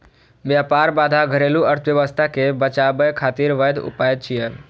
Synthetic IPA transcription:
ʋjaːpaːɾbaːd̪ʱaɡʱəɾeːluəɾt̪ʰʋjəʋəst̪ʰakebət͡ʃabəjkʰaːt̪iːɾʋəd̪ʊ̰paːjət̪̚t͡ʃʰijəl

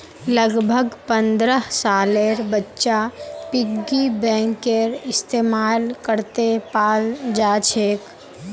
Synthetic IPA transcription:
ləɡbʱəɡpə̃nd̪ɾəɦsaːleɾbətːʃapɪɡibɛ̃ːŋkeɾɪst̪eːmaːlkəɾt̪epaːld͡ʒaːt͡ʃʰeːk

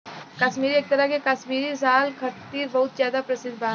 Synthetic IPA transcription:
kɐʃmiːɾieːk̚t̪ɐɾəɦkekɐʃmiːɾis̬aːlkʰɐt̪iːɾbɐɦʊt̪zjaːd̪apɾɐsɪd̪ʱbaː

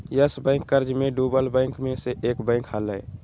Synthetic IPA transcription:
jəsbə̃ɪ̃ŋkːəɾd͡ʒmeɖubəlbəɪ̃ŋkmeseʔeːkbə̃ɪ̃khalə̰

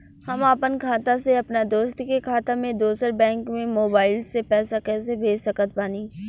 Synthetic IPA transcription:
hɐmaːpənkʰaːt̪aseɐpnad̪oːst̪kekʰaːt̪amẽd̪oːsəɾbɛ̃ːŋkmẽmoːbaːɪlsepɛːsakɛːsebʱeːd͡ʒsɐkət̪̚paːniː

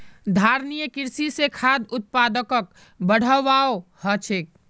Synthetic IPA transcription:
d̪ʱaɾnijəkiɾsisekʰad̪ʊt̪̚pad̪əkək̚ | bəɽ̤əʋaohət͡ʃʰek̚

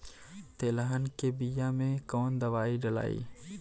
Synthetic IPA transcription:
t̪eːlaɦənkebijamẽkɔːnd̪ɐʋaːiɖɐla̰ːḭː

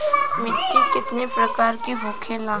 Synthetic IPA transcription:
mɪʈːikɪt̪nepɾɐkaːɾkiɦʊ̃ːkʰelãː

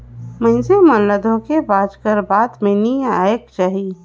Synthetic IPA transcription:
mə̃ɪ̃semənləd̪ʱõkebaːd͡ʒkəɾbaːd̪meniaekt͡ʃaːɦi

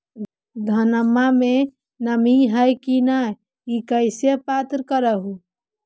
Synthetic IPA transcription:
d̪ʱənəmːame | nəmiɦəjkina | ikəɪsepat̪ɾkəɾəɦu

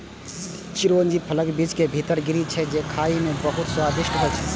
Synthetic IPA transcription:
t͡ʃɪɾoːnd͡ʒipʰɐləkbid͡ʒkebʱiːt̪əɾɡɪɾit͡ʃʰɛd͡ʒekʰaːimẽbɐɦʊt̪swaːd̪ɪʃʈkəlt͡ʃʰɛ

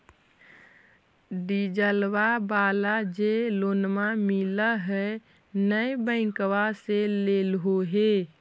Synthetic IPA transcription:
ɖid͡ʒəlwabalad͡ʒelonmamiləɦɛ | nəjbə̃ɪ̃kʋaselelɦoɦe

